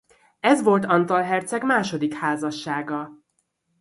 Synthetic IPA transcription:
ɛzʋo̞lt̪ɒnt̪ɒlɦɛrt̪sɛɡmaːʃo̞d̪ikhaːzɒʃːaːɡɒ

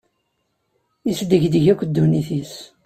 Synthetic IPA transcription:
isd̪əʝd̪əʝækʷːd̪ːuniθis

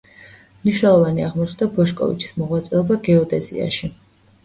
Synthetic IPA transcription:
mniʃnɛlˠɔvaniaʁmɔt͡ʃʰnd̪abɔʃkʼɔ̰vḭt͡ʃʰi̥smɔʁwat̪sʼɛɔbaɡɛɔd̪ɛzḭa̰ʃi

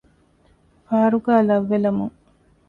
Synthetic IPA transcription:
faːɐɾuɡaːlɐʋːelɐmuŋ

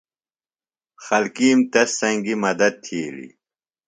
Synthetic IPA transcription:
xɐlkiːmt̪ɐsːɐŋɡimɐd̪ɐd̪̚t̪ʰiːlḭ

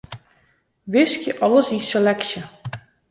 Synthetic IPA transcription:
ʋɪskjəʔɑləsiselɛksjə

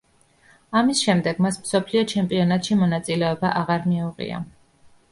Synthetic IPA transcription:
amisʃɛmd̪ɛɡ̥masmsɔpʰliɔt͡ʃʰɛmpʼiɔnat̪ʼʃimɔnat̪sʼilɛɔbaʔaʁaɾmiuʁḭa̰

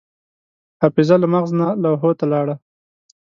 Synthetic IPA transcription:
apɪzalamaɣznalawɦot̪alɑɽa

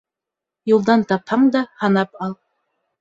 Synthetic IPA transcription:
julˠd̪ɑnt̪ɑphɑɴd̪ɑhɑnɑpɑlˠ

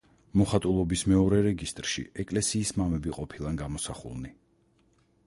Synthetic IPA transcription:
mɔχat̪ʼulˠɔbismɛɔɾɛɾɛɡist̪ʼɾʃḭɛkʼlɛsiːsmamɛbiqʼɔpʰilˠanɡamɔsaχṵlˠni

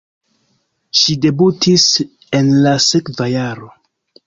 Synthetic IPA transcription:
ʃide̞butis | e̞nlase̞kvajaɾo̞

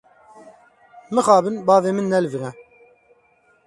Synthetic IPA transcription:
mɨxɑːbɨnbɑːveːmɨnːɛlvɨʁɛ

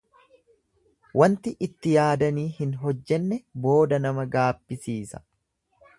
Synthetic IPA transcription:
wɐnt̪ɪʔɪt̪ːɪjaːd̪ɐniːhɪnɦɔd͡ʒːɛnːɛbo̞ːd̪ɐnɐmɐɡaːbːɪsiːsɐ̥̰

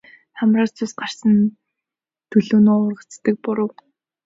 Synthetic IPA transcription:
χamraːt͡sʰʊsɢar̥sə̆n | t̪ʰɵɮuːnoːʊrʁə̆t͡st̪ə̆k̚pʊɾə̆w

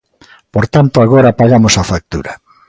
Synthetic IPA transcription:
poɾt̪ant̪oaɣoɾapaɣamosafak̚t̪ṵɾɐ

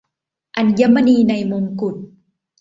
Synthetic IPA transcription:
ʔanjamaniːnajmumkʊt̪̚

